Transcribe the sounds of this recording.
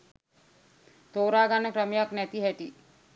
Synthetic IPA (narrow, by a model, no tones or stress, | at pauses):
t̪oːɾaːɡanːəkɾəmejaknæt̪iɦæʈi